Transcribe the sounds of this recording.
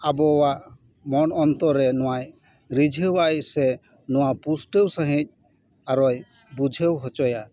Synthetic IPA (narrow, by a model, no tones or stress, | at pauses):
abɔwaʔ | mɔnɔnt̪ɔɾɛnɔwaj | ɾid͡ʒʱewajsɛ | nɔwapusʈewsaɦic̚ | aɾɔj | bud͡ʒʱewɦɔt͡ʃɔja